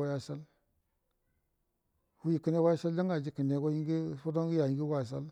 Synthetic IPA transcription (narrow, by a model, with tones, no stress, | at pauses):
a˦ja˦sa˦l | hu˦ji˨ki˨ne˦wa˦ja˦sa˦ld͡ʒa˦ŋɡa˨d͡ʒi˨ki˨ne˨ɡo˦ji˦ŋɡi˦fo˦do˦ŋɡi˦ja˨ji˨ŋɡi˦wa˨s̬a̰˦l